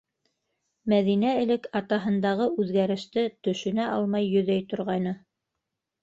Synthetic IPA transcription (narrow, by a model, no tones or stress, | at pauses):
mæðinæɘ̆lɘkɑt̪ɑɦɤ̆nd̪ɑʁɤʔʉðɡæɾɘ̆ʃt̪ɘt̪ɵ̆ʃɵ̆næʔɑlˠmɑjːɵ̆ðæjt̪ŏɾʁɑjnɤ